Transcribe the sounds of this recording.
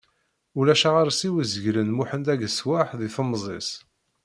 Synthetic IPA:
ulæʃaʁaɾsiwəzəʝlənmuħənd̪æʝəswaħðiθəmːzˤes

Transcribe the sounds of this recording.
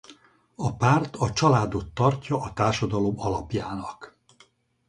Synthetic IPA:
ɒpaːrt̪ɒt͡ʃɒlaːd̪o̞t̪ːɒrcɒʔɒt̪aːrʃɒd̪ɒlo̞mɒlɒpjaːnɒk

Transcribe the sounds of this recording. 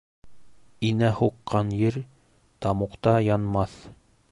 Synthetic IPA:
inæhuqːɑnjɘɾ | t̪ɑmuqt̪ɑjɑnmɑθ

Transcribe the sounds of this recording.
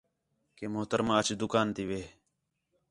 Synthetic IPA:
keːmʊɦt̪əɾmãːət͡ʃd̪ʊkaːnt̪iːʋeː

